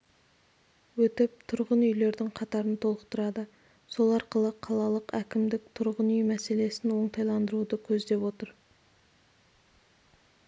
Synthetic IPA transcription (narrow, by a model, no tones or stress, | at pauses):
wɵt̪ɪp̚t̪ʰʊɾʁənʏjle̞ɾd̪ɪŋqʰɑt̪ɑɾənt̪ʰo̞lˠəqt̪əɾɑd̪ə | so̞lˠɑɾqəlˠəqʰɑlˠɑlˠəqækʲɪmd̪ɪkt̪ʰʊɾʁənʏjmæse̞le̞sɪnwo̞ɴt̪ʰɑjlˠɑnd̪əɾud̪əkʲʰɵzd̪e̞pwo̞t̪əɾ